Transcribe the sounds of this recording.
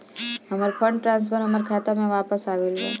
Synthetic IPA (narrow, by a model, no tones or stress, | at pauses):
ɦɐməɾpʰəɳɖʈɾãːnspʰəɾɦɐməɾkʰaːt̪amẽʋaːpəsaːɡilɡa̰